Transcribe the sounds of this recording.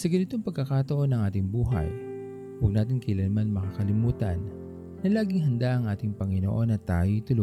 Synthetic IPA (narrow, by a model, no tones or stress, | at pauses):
sɐɡɐnɪt̪o̞ŋpɐɡ̚kɐkat̪ɐʔo̞nɐŋʔaːt̪ɪŋbuːɦɐ̰j | wɐɡ̚naːt̪ɪnkɐjlɐnmanmɐkakɐlɪmuːt̪ɐ̰nː | ɐlaːɡɪŋɦɐnd̪aʔɐŋʔaːt̪ɪŋpɐŋɪno̰ʔo̞nɐt̪aːjojt̪ʊlo